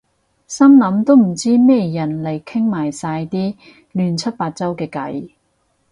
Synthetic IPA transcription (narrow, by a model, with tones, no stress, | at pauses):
sɐ˥mlɐ˨˥mt̪o˥wm̩˨˩t͡siː˥mɛː˥˨jɐ˨˩nle˨˩jkʰɪ˥ŋmaː˨˩jsaː˧jt̪iː˥ | lyː˨˧nt͡sʰɐ˥t̚paː˧t̚t͡sɐ˥wkɛː˧kɐ̰˨˥j